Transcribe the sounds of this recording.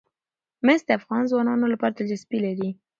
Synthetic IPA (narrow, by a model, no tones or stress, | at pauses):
mest̪eafɣɑnzwɑnɑnolapɑɾat̪ad͡ʒaspilaɾi